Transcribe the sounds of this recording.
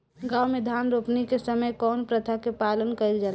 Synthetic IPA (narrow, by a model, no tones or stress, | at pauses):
ɡaːwmed̪ʱaːnɾopnikesəməjkɔːnpɾət̪ʰakepaːlənkəild͡ʒaː